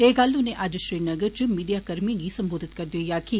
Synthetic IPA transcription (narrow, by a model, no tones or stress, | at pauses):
ɦeːɡəlʊnẽːʔɐd͡ʒʃɾiːnəɡəɾt͡ʃəmiːɖijaːkəɾmĩɡiːsɐmboːd̪ɪt̪kɐɾd̪ioːjaːki